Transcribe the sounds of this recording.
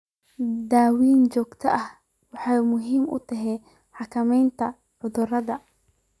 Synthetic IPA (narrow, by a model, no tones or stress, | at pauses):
d̪aːwiːnt͡ʃɔːɡt̪ʰɐʔɐh | wɑħɑjmʊɦiːmʊ̰t̪ʰɛɦɛj | ħɑkʰɐmɛjnt̪ʰɐ | ʕʊðʊrɐðɐ